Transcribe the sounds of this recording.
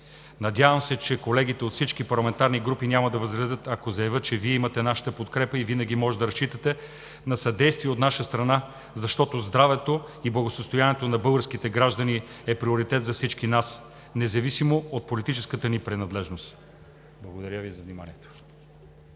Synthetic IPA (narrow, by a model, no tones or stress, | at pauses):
nɐd̪ʲavəmsɛt͡ʃɛkolɛɡit̪ɛot̪fsit͡ʃkipɐɾlˠɐmɛnt̪aɾniɡɾupinʲaməd̪ɐvɐzɡɾɛd̪ɤt̪ɐkozɐjɐvət̪̚t͡ʃɛviɛimɐt̪ɛnaʃə̥t̪əpot̪kɾɛpəivinəɡ̟imɔʒɛd̪ɐɾɐst͡ʃit̪ət̪ɛ | nɐsɐd̪ɛjst̪viɛot̪naʃəst̪ɾɐna | zɐʃt̪ɔt̪ozd̪ɾavɛt̪o | iblˠɐɡosəst̪ojaniɛt̪onɐbɤlˠɡəɾsk̟it̪ɛɡɾaʒd̪ɐniɛpɾioɾit̪ɛt̪zɐfsit͡ʃkinas | nɛzɐvisimoot̪̚polit̪it͡ʃɛskət̪ənipɾɛnɐd̪lɛʒnost̪ | blˠɐɡod̪ɐɾʲəvizɐvnimanʲiɛt̪o̥